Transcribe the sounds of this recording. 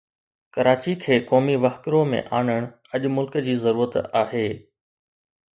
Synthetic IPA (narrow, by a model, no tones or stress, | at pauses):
kɐɾaːt͡ɕikʰeːkɔːmiʋɐxkɾomḛ̃ʔaːɳəɽ̃ | ɐʄʊmʊlkd͡ʑiːzɐɾuːɾət̪aːɦeː